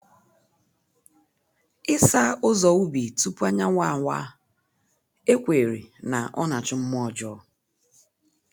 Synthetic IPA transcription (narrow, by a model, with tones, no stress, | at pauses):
ɪ˦sa˦ʊ˦zɔ˨u˦bi˨tu˦pu˦a˦ɲa˦ŋʷa˦˨ŋʷa˦ | e˦kʷe˨ɾḭ˨na˨ʔɔ˦na˨t͡ʃɪ˦m̩˦m˦ɔ˦˨d͡ʒɔ˦